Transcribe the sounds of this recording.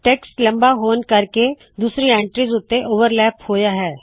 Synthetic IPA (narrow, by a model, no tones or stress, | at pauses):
ʈeːksʈlɐ̃mbaɦoːnkɐɾke | d̪uːsɾiɛ̃ːɳʈɾizʊt̪ːeʔoːʋəɾlɛːphoːjaɦɛː